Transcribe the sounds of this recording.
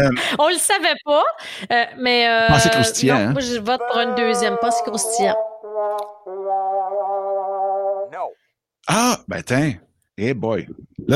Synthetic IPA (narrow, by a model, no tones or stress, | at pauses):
ɔ̃ləsavɛpʌømɛøpɑ̃sekɔ̃st̪jɛ̃ɛ̃mwaʒəvɔt̪̚puʁynd̪øːzjɛmpɑ̃se̥kɔ̃st̪jɛ̃ | abɛ̰̃t̪ʰɛ̃ | ebɔjl